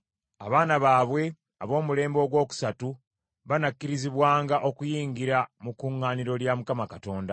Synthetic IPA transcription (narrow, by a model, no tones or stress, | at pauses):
aβaːnaβaːβwe̞ | aβo̞ːmule̞ːmbo̞ɡwo̞ːku̥satu | βanakːiɾiziβwaːŋɡaʔo̞kujiːŋɡiɾamukːuŋːaːniɾo̞ljamukamakato̞ːnda